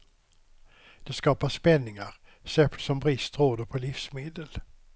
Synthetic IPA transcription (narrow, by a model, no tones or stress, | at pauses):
d̪̥ɛskɑːpaʂpɛnːɪŋaɾsɛpəlsɔmbɾɪst̪ɾoːd̪əɾpʰɔlifsmeːd̪əl